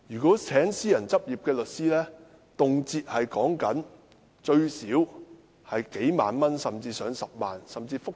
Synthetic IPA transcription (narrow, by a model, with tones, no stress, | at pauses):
jyː˨˩kɔː˨˥t͡sʰɛː˨˥ŋsiː˥jɐ˨˩nt͡sɐ˥p̚jiː˨p̚kɛː˧lɵ˨t̚siː˥lɛː˥ | t̪ʊ˨ŋt͡siː˧t̚hɐ˨jkɔː˨˥ŋkɐ˨˥n | t͡ʃɵ˧ɥsiː˨˥w | hɐ˨jke˨˥jma̰ː˨nmɐ˥nsɐ˨mt͡siː˧sœː˨˧ŋsɐ˨p̚maː˨nsɐ˨mt͡siː˧fʊ˥k̚